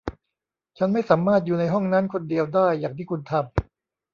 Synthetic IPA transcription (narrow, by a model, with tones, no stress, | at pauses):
t͡ɕʰa˦˥nma˥˩jsaː˩˦mːaː˥˩t̪̚juː˨˩na˧jɦɔ˥˩ŋnaː˦˥nkʰo˧ndi˧əwdaː˥˩jːaː˨˩k̚t̪ʰiː˥˩ku˧nt̪ʰa˧m